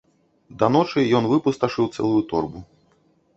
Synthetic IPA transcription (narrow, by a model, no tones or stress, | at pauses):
d̪ɐnɔt͡ʂɨjɔnvɨpust̪ɐʂɨwt̪sɛ̰lˠujut̪ɔrbu